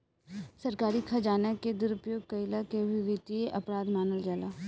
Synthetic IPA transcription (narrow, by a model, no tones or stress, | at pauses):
səɾkaːɾiːkʰad͡ʒaːnaked̪ɪɾʊpjoːɡ̚kəilaːkeʋiʋit̪ieʔəpɾaːd̪maːnəld͡ʒaːlaː